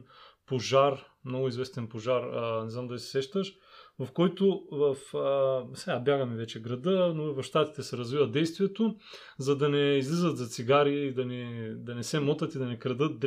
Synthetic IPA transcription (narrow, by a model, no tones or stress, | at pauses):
poʒaɾ | mnɔɡʊizvɛst̪ɛnpoʒaɾnɛzamd̪alisɛ̥sɛʃt̪əʃ | vɐfkɔjt̪ovɐfəsɛɡabjaɡɐmɛvɛt͡ʃɛɡɾɐd̪ɤnovɐfʃt̪at̪i̥t̪ɛsɛɾɐzvivɐd̪ɛjst̪vijɛt̪o | zɐd̪ɐnɛizlizət̪zɐt̪siɡaɾiid̪ɐnɛd̪ɐnɛsɛmɔt̪ɐt̪id̪ɐnɛkɾɐd̪ɤt̪̚d̪